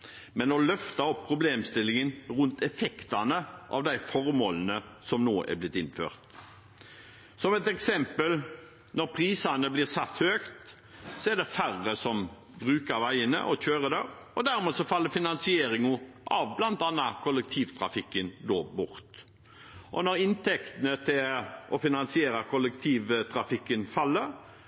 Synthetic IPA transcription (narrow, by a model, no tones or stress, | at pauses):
mɛnɔlœft̪ɑɔpʰːʁʊbleːmst̪ɪlːɪŋənʁʉnt̪ɛfɛkt̪ɑnəʔɑ̰ʋd̪æɪfɔɾmoːlənəsɔmnoːʔæ̰blɪt̪ːɪnfø̰ːʁt̪ | sɔmɛt̪ɛksɛmpəl | nɔɾpʰʁiːsɑnəblɪːʁsɑt̪høːkt̪ | sɔɛʁd̪ɛfæʁːəsɔm | bʁʉːkɑɾʋæɪənə̰ʔɔc͡çøːɾəd̪ɛ | ɔd̪æɾmeːsɔfɑlːəɾfɪnɑnsɪeːɾɪŋʔɑ̰ʋblɑnt̪ɑnɑkʰɔlːɛk̚t̪ʰiːʋt̪ʰɾɑ̰fɪkːənd̪oːbʊɾt̪ | ʔɔ̰nɔɾɪnt̪ʰɛkt̪ənət̪ʰɪlʔɔfɪnɑnsɪeːɾɑkʰɔlɛk̚t̪ʰiːʋt̪ʰɾɑfɪkːənfɑlːəɾ